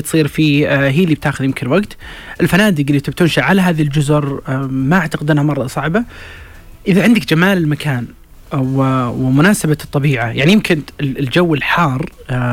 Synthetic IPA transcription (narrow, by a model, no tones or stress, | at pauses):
t̪sˤiːɾfiːɦiːlːib̚t̪aːxʊðjɪmkɪnwaɡt̪ʔɪlfanaːd̪ɪɡɪlːit̪ɪb̚t̪ʊnʃaʕalaɦaːðild͡ʒʊzʊɾmaʔaʕt̪aqɪd̪ɪnhamɑrˤːɑsˤɑʕba | ʔɪðaʕɪnd̪ɪkd͡ʒamaːlɪlmakʰaːn | wɪwɪmʊnaːsabat̪ˤːɑbiːʕajaʕnijɪmkʰɪnld͡ʒawːɪlħɑːrˤ